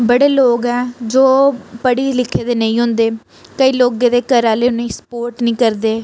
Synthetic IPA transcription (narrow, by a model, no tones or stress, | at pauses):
bəɽeːloːɡɛːd͡ʒoːpəɽiːlɪkʰːeːd̪eːnəĩːɦʊ̃nd̪eː | kəiːloːɡẽːd̪eːkəɾãːleːnĩːsə̥poːɾʈnĩːkəɾd̪eː